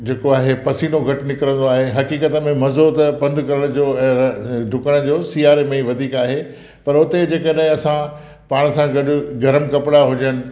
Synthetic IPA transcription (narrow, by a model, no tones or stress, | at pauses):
d͡ʑeːkoaːɦepɐsiːnoɡʱɐʈɪnɪkɾə̃nd̪oaːɦeɦɐkiːkət̪əmẽmɐzoːt̪pɐ̃nd̪ʱkɐɾəɽ̃d͡ʑoːɛ̃ːɖʱʊkəɽ̃d͡ʑoːsiːaːɾemẽiʋɐd̪ʱiːkaːɦe | pɐɾʊt̪ed͡ʑeːkəɗaɦɪ̃ɐsã | paːɽ̃ə̆sãɡɐɗʊ̆ɡɐɾəmkɐpɪɽaɦʊd͡ʑənɪ̆